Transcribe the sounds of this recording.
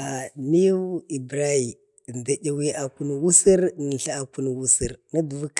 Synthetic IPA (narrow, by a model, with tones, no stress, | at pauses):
a˨ni˦ji˨bɾa˦i˨ | nda˨ɟʲa˦˨wi˦a˨ku˦n˨wu˦si˦ɾnə˨ɬa˦a˨ku˦n˨wu˦si˦ɾna˦du˨vu˦k